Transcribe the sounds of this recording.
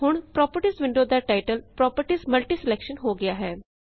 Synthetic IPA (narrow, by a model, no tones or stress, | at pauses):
ɦʊɳ̃pɾɔːpəɾʈisʋɪ̃ɳɖoːd̪aːʈaːɪʈəlpɾɔːpəɾʈisməlʈiːsɪlɛːkʃənɦoːɡɪaːɦɛː